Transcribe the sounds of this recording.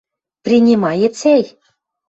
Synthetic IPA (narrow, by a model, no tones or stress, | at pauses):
prʲinʲimɑjĕt͡sæj